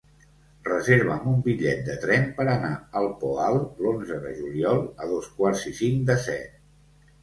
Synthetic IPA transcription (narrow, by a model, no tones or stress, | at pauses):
rəzeɾβəmumbiʎɛ̰t̪̚d̪ət̪ɾɛmpəɾənaəlˠpoalˠlonzəðə̰ʒuliɔlˠəðoskwaɾzisiŋd̪əsɛ̰t̪̚